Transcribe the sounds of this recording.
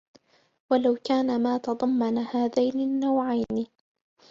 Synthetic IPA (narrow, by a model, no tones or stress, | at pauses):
walawkaːnamaːt̪ɑd̪ˤɑmːɑnahaːðajnɪnːawʕajnɪ